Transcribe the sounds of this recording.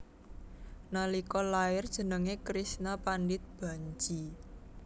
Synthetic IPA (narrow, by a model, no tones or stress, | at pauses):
nalikɔlaɪrd̥ʒ̥ə̤nəŋekɾisnapanɖɪt̪̚b̥a̤ɲt͡ʃi